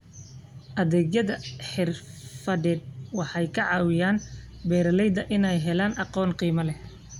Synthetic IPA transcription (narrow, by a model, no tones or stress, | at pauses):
ʔɐðɛːɣjɐðɐħɪrfɐðɛːd̪̚wɑħɑjkʰɐʕɑːwɪjaːn | bɛːɾɐlɛjd̪ɐʔɪnɛjɦɛlaːnɑqɔːnqiːmɐlɛ